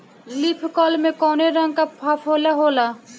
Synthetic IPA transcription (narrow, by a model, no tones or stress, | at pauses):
lipʰkɔlmẽkɔneɾʌŋkapʰapʰɦolaɦola